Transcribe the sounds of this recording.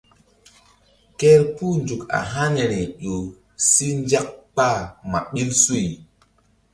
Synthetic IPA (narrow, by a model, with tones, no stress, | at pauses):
kɛ˦ɾpu˦nd͡ʒu˨ka̰˨ɦa˦ne˨ɾi˨ʄo˨ | si˦n˦d͡ʒa˦k̚k͡pa˦˨ma˨ɓi˦lsu˦i˨